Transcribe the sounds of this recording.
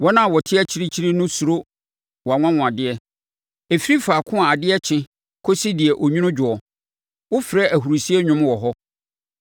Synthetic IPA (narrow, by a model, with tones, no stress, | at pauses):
wɔ˦nã˦˨wɔ˨tʰɪ˦ɛ˦t͡ɕʰi˦ɾi˦t͡ɕʰi˦ɾi˦nʊ̃˦su˨ɾo˦ | wɔ˨a˨ŋʷã˦wʊ̃˨a˨dɪ˦ɛ˦ | e˨fi˦ɾi˦faː˨kʰʊ̃˦a˨a˨dɪ˦ɛ˦t͡ɕʰɪ̃˦ | kʰo˦si˦dɪ˨ɛ˨ʔɔ˨ɲᶣũ˦nʊ̃˦d͡ʑᶣʊ˨ɔ˨ | wʊ˦fɾɛ˦ʔæ˨ɦu˨ɾu˨si˦ɛ˦ɲᶣʊ̃˦m˦wɔ˨ɦɔ˦